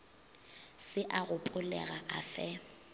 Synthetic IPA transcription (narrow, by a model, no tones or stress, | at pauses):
sɪʔaɣʊpʼʊlɛ̰ɣaʔafɛ